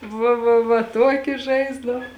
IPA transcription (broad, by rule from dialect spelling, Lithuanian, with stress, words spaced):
ˈʋɐ ʋɐ ʋɐ ˈtuɔkʲɪ ˈʒɐɪzdɐw